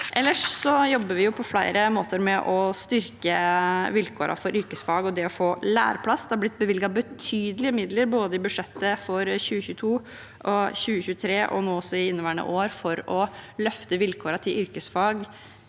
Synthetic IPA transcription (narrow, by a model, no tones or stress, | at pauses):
ʔɛlːəʂsɔjɔbːəɾʋɪjʊpʰɔflæɪɾəmoːt̪əɾmɛʔɔst̪ʏɾkəʋɪlkʰoːɾʔɑ̰fɔɾʏɾkəsfɑːɡɔd̪ɛɔfoːlæ̰ːɾpʰlɑsd̪ɛhɑɾblɪt̪̚ːbəʋɪlɡɑbət̪ʰyːd̪əlɪəmɪd̪ləɾboːd̪əɪbʉʂɛt̪ːəfɔɾɕʉːəçʉːət̪ʰuː | ʔɔɕʉːəçʉːət̪ʰɾeːʔɔ̰nuːɔsːɔɪɪnːəʋæːɳə̰ʔoːɾfɔɾɔlœft̪əʋɪlkʰoːɾɑt̪ʰɪlʔʏɾkəsfɑːɡ